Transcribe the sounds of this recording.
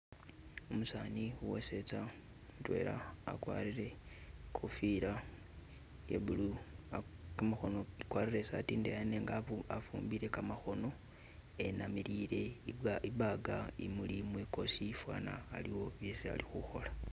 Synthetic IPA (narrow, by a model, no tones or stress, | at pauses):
umusaːniuwo̰se̞t͡sa | mutwḛːɾa̰ːkwa̰ːɾiɾe̞kʰufiɾa | jḛbuluakamaxo̞no̞ikwaːɾiɾe̞sa̰tiːndejane̞ːŋɡaafuːmbiɾe̞kamaxo̞no̞ | e̞namiɾiɾe̞iβaɡaimulimwiko̞sifwa̰ːna̰ːliwo̞βjesia̰lixuxo̞la